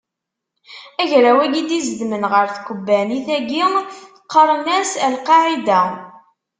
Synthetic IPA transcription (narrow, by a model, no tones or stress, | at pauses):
æʝɾæwæɡid̪izd̪mənʁəɾθkʷːəbːæniθæɡiŋ | qːəɾˤnæsælqɑʕid̪æ